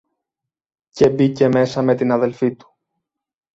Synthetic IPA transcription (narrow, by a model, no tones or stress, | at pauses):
ce̞bice̞me̞sɐme̞t̪inɐðe̞lfit̪u̥